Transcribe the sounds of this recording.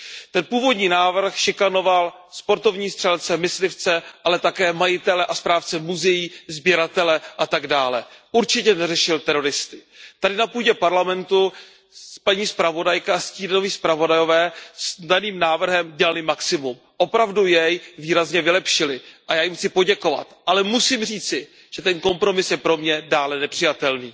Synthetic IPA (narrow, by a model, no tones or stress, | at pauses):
t̪ɛnpuːvo̞dɲiːnaːvr̩xʃɪkano̞val | spo̞ɾt̪o̞vɲiːst̪r̥ɛlt͡sɛmɪslɪft͡sɛʔalɛt̪akɛːmajɪt̪ɛlɛʔaspɾaːft͡sɛmuzɛjiːzbjɛɾat̪ɛlɛʔat̪aɡdaːlɛʔuɾt͡ʃɪcɛnɛrɛʃɪlt̪ɛɾo̞ɾɪst̪ɪt̪adɪnapuːɟɛpaɾlamɛnt̪u | spaɲiːspɾavo̞dajkaasciːno̞viːspɾavo̞dajo̞vɛːsdaniːmnaːvr̩ɦɛmɟɛlalɪmaksɪmum | ʔo̞pɾavdujɛjviːɾazɲɛvɪlɛpʃɪlɪʔajaːjɪmxt͡sɪpo̞ɟɛko̞va̰t̪ʔalɛmusiːmr̝iːt͡sɪ | ʒ̥ɛt̪ɛnko̞mpɾo̞mɪsjɛpɾo̞mɲɛdaːlɛnɛpr̥ɪjat̪ɛlniː